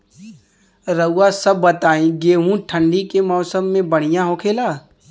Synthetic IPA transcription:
ɾəʊːasɐb̚ːɐt̪aːẽɡeːɦũʈʰə̃ɳɖikemɔːsəmːẽbɐɽ̤̃ɪjãɦoːkʰeːlaː

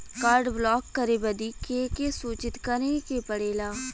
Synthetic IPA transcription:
kaːɾɖblɔːkːəɾebəd̪ikekesuːt͡ʃɪt̪kəɾekepəɽeːlaː

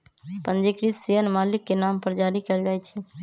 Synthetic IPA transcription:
pənd͡ʒikɾiseənmalikːenampəɾd͡ʒaɾikɛld͡ʒajt͡ʃʰɛ

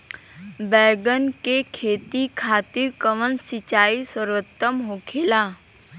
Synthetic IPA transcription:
bɛːɡənkekʰeːt̪ikʰaːt̪ɪɾkəʋənsɪt͡ʃaːisəɾʋət̪ːəmɦoːkʰeːlaː

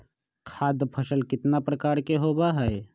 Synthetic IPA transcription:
kʰaːd̪pʰəsəlkɪt̪napɾəkaːɾkeɦoːbaɦɛe

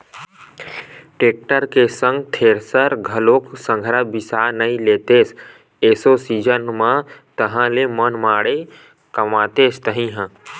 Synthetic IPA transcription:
ʈeːk̚ʈəɾkesə̃ŋɡt̪ʰeːɾsəɾɡʱəloːksə̃ŋɡʱɾabɪsaːnəĩleːt̪eːs | eːsoːsiːd͡ʒənmãt̪əɦãlemənmaːɽe | kəmaːt̪eːst̪əɦĩɦə̃

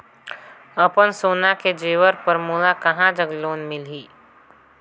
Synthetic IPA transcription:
əpənsoːnaked͡ʒeːʋəɾpəɾmuːlakɐɦãd͡ʒəɡloːnmɪliː

